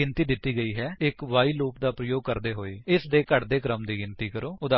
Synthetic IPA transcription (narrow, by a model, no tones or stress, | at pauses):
ɪnt̪iːd̪ɪt̪ːiːɡəiːɦɛːɪkʋaːiːluːpd̪aːpɾəjoːɡ̚kəɾd̪eːɦoːeːɪsd̪eːkəʈd̪eːkɾəmd̪iːɡɪnt̪iːkəɾoːʊd̪a